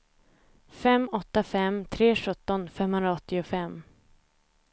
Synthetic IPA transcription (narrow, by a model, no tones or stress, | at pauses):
fɛmːɔt̪ːafɛmt̪ʰɾeːɧɵt̪ːɔnfɛmhɵnɾaɔt̪ːɪʊfɛmː